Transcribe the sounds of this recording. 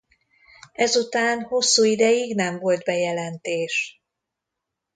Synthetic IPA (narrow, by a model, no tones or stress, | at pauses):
ɛzut̪aːnho̞sːuːid̪ɛjiɡnɛɱvo̞ld̪bɛjɛlɛnt̪eːʃ